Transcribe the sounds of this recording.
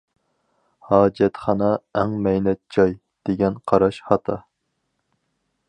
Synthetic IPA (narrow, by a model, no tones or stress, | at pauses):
hɑːd͡ʒɛt̪χɑnɑæŋmɛjnɛt̪̚d͡ʒɑj | d̪̥eɡʲɛnqʰɑɾɑʃhɑt̪ʰɑ